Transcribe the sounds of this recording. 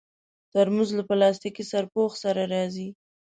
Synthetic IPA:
t̪aɾmuzlapəlɑst̪ikisaɾpoxsaɾaɾɑzi

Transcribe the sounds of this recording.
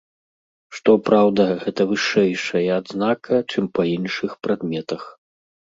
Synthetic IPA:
ʂt̪ɔpɾawd̪ɐɣɛt̪ɐvɨʂɛjʂɐjɐːd̪znakʰɐt͡ʂɨmpɐinʂɨxpɾad̪mʲɛt̪ɐx

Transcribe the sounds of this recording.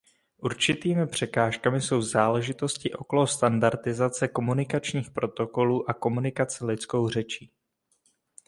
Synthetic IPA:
ʔuɾt͡ʃɪt̪iːmɪpr̝̥ɛkaːʃkamɪso̞wzaːlɛʒɪt̪o̞scɪʔo̞ko̞lost̪andaɾt̪ɪzat͡sɛko̞munɪkat͡ʃɲiːxpɾo̞t̪o̞ko̞luːʔako̞munɪkat͡sɛlɪt͡sko̞wr̝ɛt͡ʃiː

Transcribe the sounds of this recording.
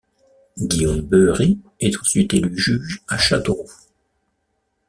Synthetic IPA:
ɡiombøʁi | ɛt̪u̥sɥit̪elyʒyʒaʃat̪o

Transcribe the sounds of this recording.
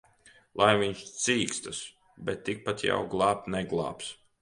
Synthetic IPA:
lˠajviɲʃt̪siːkst̪as | bʲɛt̪ːik̚pat̪ja̰wɡlˠɑːp̚t̪nɛɡlˠɑ̰ːps

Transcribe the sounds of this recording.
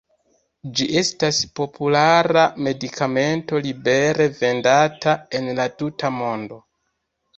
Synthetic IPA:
d͡ʒiʔe̞staspo̞pʰulaɾame̞dikʰame̞nto̞libe̞ɾe̞ve̞ndatae̞nlatutʰamo̞ndo̞

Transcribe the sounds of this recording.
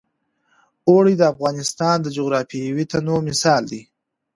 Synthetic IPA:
oɽid̪əafɣɑnɪst̪ɑnd̪əd͡ʒoɣɾɑfiwit̪anoɾmɪsɑld̪i

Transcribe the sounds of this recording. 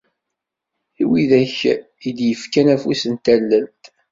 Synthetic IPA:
iwiðæç | id̪jəfkænæfusənt̪ælːənt̪

